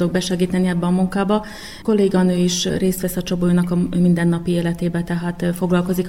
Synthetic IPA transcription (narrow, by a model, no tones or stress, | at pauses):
oɡ̚bɛʃɛɡiːt̪ɛnːiɛbːɛɒmuŋkaːbɒ | ko̞leːɡɒnøːiʃreːst̪ʋɛsɒt͡ʃo̞bojunɒkɒmind̪ɛnːɒpieːlɛt̪eːbɛt̪ɛɦaːt̪fo̞ɡlɒlko̞zik